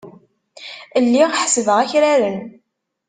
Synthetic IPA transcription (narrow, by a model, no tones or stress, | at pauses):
əlːiʁħsəðəʁæçɾaɾən